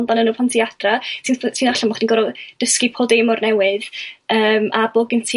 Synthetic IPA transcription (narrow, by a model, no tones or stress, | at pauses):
ndanənuːpʰantʰiad̥rasʰinsʰiːnaɬamɔχd̥iŋɡɔɾɔd̥əskipʰodemɔrnɛwɨð̥əːmaboːɡəntʰi